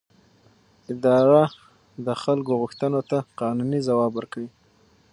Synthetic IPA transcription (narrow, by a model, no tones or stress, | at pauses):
ɪd̪ɑɾa | d̪əxalkoɣʊxt̪ənot̪aqɑnunizawɑbwəɾkawi